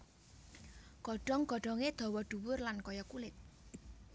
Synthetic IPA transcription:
ɡ̥ɔ̤ɖ̥ɔ̤ŋɡɔ̤ɖ̥ɔ̤ŋed̪̥ɔ̤wɔɖ̪̥ṳwʊrlankɔjɔkulɪt̪̚

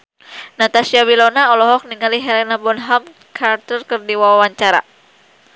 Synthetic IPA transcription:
nat̪asiawilɔnaɔlɔɦɔk̚niŋaliɦɛlɛnabɔnɦam | kʰart̪ərkɨrdiwawawaɲt͡ʃaɾa̰

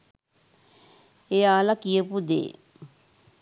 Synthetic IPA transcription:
ejaːlakijəpud̪ḛː

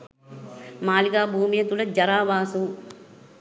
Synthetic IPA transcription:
maːliɡaːbʱuːmijɐt̪ulɐd͡ʒɐɾaːʋaːsu

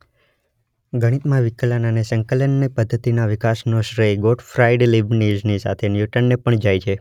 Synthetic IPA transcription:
ɡʱəɽ̃it̪mãʋɪkələnanesəŋkələnːipəd̪ʱːət̪inaʋɪkasnoʃɾəjɡoʈfɾaiɖlibnid͡ʒnisa̰t̪ʰenjuʈənːepəɳd͡ʒajt͡ʃʰe

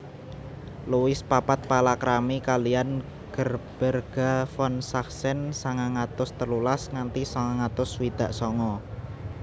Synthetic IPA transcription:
luwɪspapat̪̚palakɾamikalian | ɡ̥ərb̥ə̤rɡ̥a̤fɔnsaksɛnsaŋaŋat̪ʊst̪əlulasŋant̪isɔŋaŋat̪ʊswid̪̥a̤ʔsɔŋɔ

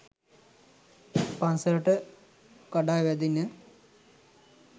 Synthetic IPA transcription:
pansəɾəʈə | kaɖaːʋæd̪inə

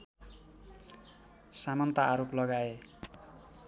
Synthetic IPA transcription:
samʌnt̪aːɾoplʌɡae

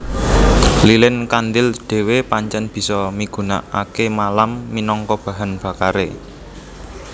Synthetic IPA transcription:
lilɪnkand̪ɪld̪̥e̤wepaɲt͡ʃɛnb̥i̤sɔmiɡ̥ṳna̰ʔa̰kemalamːinɔŋkɔb̥ä̤ɦanb̥ä̤kaɾe

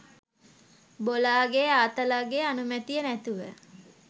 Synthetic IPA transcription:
bolaːɡeːaːt̪əlaːɡeanumæt̪ijənæt̪uʋə

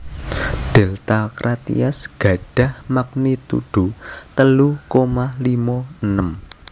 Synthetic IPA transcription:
ɖ̥ɛlt̪akɾʔat̪ḭasɡ̥ä̤ɖ̥ä̤hmak̚nit̪ṵɖ̪̥ṳt̪əlukomalimɔənəm

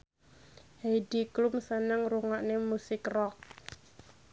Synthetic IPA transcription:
hejdiklumsənəŋruŋaʔnemusɪkrɔk̚

